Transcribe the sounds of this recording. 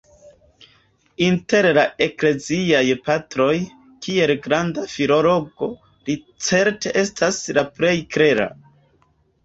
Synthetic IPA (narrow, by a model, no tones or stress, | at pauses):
inte̞ɾlae̞kle̞ziajpatɾo̞j | kʰie̞lɡɾandafiɾo̞ɾoɡo̞ | li | t͡se̞ɾte̞ʔe̞stʰaslapɾe̞jkɾe̞ɾa̰